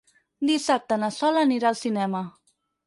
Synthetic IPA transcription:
d̪isap̚t̪ənasɔlaniɾaːlˠsinɛmə

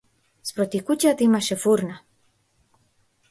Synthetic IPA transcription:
spɾɔt̪ikucat̪imaʃɛfuɾna

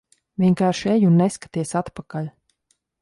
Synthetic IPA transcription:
vʲiɛŋkaːɾʃejunːeskḁt̪iɛsat̪pakalʲ

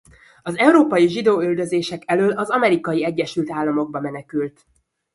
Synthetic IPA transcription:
ɒzɛwɾoːpɒjiʒid̪oːyld̪øzeːʃɛkɛløːlɒzɒmɛɾikɒjiɛɟːɛʃylt̪aːlːɒmo̞ɡ̚bɒmɛnɛkylt̪

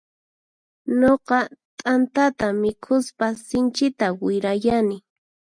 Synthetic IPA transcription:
noqɑt̪ʼant̪at̪amɪkʰʊspasɪnt͡ʃɪt̪awɪɾajanɪ

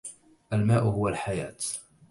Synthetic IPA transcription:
ʔalmaːʔʊhʊwalħaja̰ːt̪

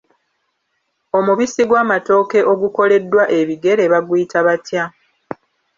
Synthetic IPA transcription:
o̞muβisiɡwaːmato̞ːke̞ʔo̞ɡuko̞le̞dːwaʔe̞βiɡe̞ɾeβaɡwiːtaβatja

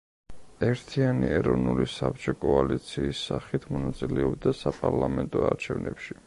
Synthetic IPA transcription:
ɛɾt̪ʰianiɛɾɔvnulisap̚t͡ʃʼɔkʼɔalit̪sʰiːsːaχit̪ʰmɔnat̪sʼilɛɔb̚d̪asapʼaɾlˠamɛnt̪ʼɔaɾt͡ʃʰɛvnʔɛpʃi

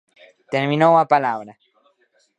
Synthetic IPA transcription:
t̪eɾmĩnowapalaβɾa

